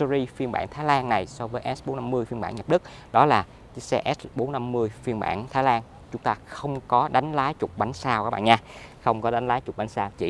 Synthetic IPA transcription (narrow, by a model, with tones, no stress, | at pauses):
ə˧zi˧fi˧ənɓa̰ː˧˨ŋt̪ʰaː˨˦jlaː˧nna˨˩jsɔ˧vəː˨˦jʔɛ˦˥ɓo˨˦na˧mːɨ˧əjfi˧ənmɓaː˧˨nɲ˨ə˨˩p̚ɗɨ˦˥k̚ | ɗɔ˨˦laː˨˩˨ | sɛ˧ʔɛ˦˥ɓo˨˦nna˧mːɨ˧əjfi˧ənɓa̰ː˧˩˨nt̪ʰaː˨˦jlaː˧n | t͡ɕʊ˨˦ŋ͡mt̪aː˧xə˧wŋ͡mkɔ˨˦ɗa˨˦jŋ̟laː˨˦jt͡ɕʊ˨˩k͡p̚ɓa˨˦jŋ̟saː˧wka˦˥ɓa̰ː˧˨ɲaː˧xə˧wŋ͡mkɔ˨˦ɗa˨˦jŋ̟laː˨˦jt͡ɕʊ˨˩k͡p̚ɓa˨˦jŋ̟saː˧wt͡ɕḭ˧˨